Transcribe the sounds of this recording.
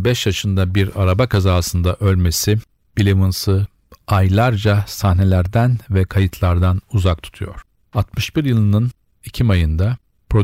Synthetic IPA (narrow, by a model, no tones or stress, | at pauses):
bɛʃjaʃɯnd̪abiɾaɾabakʰazaːsɯnd̪aʔølʲme̞sɪ | b̥ilʲemɯnsɯ | ajlˠaɾd͡ʒasahne̞lʲæɾd̪ænvɛkʰajɯt̪ʰlˠaɾd̪anuzak̚t̪ʰu̥t̪ʰujo̞̰ɾ̥ | at̪mɯʃbiɾjɯlˠɯnɯn | icʰimajɯnd̪a | pɾo̞